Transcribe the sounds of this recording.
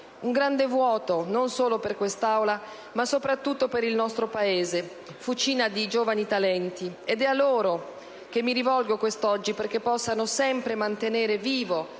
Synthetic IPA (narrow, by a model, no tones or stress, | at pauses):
uŋɡɾand̪evwɔːt̪ononsoːloperkwest̪awla | masːopɾat̪ːut̪ːopeɾilnɔst̪ɾopaeːze | fut͡ʃiːnad̪id͡ʒoːvanit̪alɛnt̪ied̪ɛalːoːɾo | k̟emːiɾivɔlɡokwest̪ɔd͡ʒːiperk̟epːɔsːanosɛmpɾemant̪eneːɾeviːvo